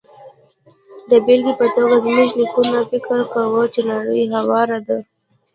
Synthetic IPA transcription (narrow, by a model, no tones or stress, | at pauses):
d̪abilɡipət̪əɾazmuʒnikunafɪkəɾkawət͡ʃenɑɽəjɦawɑɾad̪ə